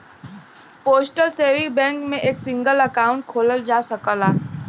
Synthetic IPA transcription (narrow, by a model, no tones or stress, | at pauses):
poːsʈəlseːʋɪ̃bɛ̃ːŋkmẽʔeːksɪ̃ŋɡəlɐkaːʊ̃ɳʈ̚kʰoːləld͡ʒaːsəkəlaː